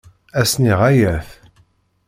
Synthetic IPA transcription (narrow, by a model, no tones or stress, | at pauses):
æsniʁæjæθ